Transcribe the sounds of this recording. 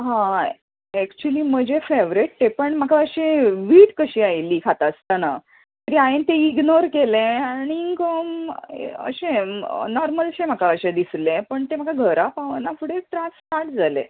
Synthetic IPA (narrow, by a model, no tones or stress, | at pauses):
ɦã | ɛkt͡ɕuəliːm̤əd͡ʑʱefeʋɾeʈ̚t̪epəɳm̤akʰaəɕeʋiːʈkəɕiːajliːkʰat̪ast̪ana | t̪əɾiːaent̪eiɡnoɾkelẽaɽ̃iːŋkəm | ə̰ɕẽnɔɾməlɕem̤akʰaəɕẽd̪islẽpəɳt̪em̤akʰaɡʱəɾapaʋənafʰuɽeʈ̪ɾãsʈaɾʈd͡zʱalḛ̃